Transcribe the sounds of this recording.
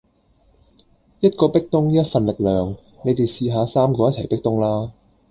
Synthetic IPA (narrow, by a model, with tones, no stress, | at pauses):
jɐ˥t̚kɔː˧pɪ˥k̚t̪ʊ˥ŋliː˦˥ɐ˥t̚fɐ˨nlɪ˨k̚lœː˨ŋ | ne˨˧jt̪e˨jsiː˨˧ɦaː˨˧saː˥mkɔː˧jɐ˥t̚t͡sʰɐ˨˩jpɪ˥k̚t̪ʊ˥ŋlaː˥